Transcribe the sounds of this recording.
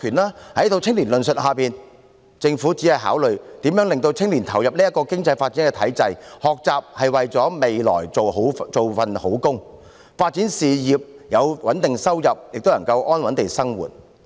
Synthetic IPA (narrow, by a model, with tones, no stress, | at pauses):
kʰyː˨˩nlaː˥hɐ˨˥jt̪o˧wt͡sʰɪ˥ŋliː˨˩nlɵ˨nsɵ˨t̚haː˨piː˨n | t͡sɪ˧ŋfuː˨˥t͡siː˨˥hɐ˨jɦa̰ː˨˥wlɵ˨ɥt̪iː˨˥mjœː˨˥ŋlɪ˨ŋt̪o˧wt͡sʰɪ˥ŋliː˨˩nt̪ʰɐ˨˩wjɐ˨p̚liː˥ɐ˥t̚kɔː˧kɪ˥ŋt͡sɐ˧jfaː˧t̚t͡siː˨˥nkɛː˧t̪ʰɐ˨˥jt͡sɐ˧jhɔː˨k̚t͡saː˨p̚hɐ˨jwɐ˨jt͡sɔː˨˥me˨jlɔ̰ː˨˩jt͡so˨wɦo˨˥wt͡so˨wfɐ˨nho˨˥wkʊ˥ŋ | faː˧t̚t͡siː˨˥nsiː˨jiː˨p̚jɐ˨˧wwɐ˨˥nt̪ɪ˨ŋsɐ˥wjɐ˨p̚jɪ˨k̚t̪o˥nɐ˨˩ŋkɐ˧wʔɔː˥nwɐ˨˥nt̪e˨jsɐ˥ŋwṵː˨˩t̚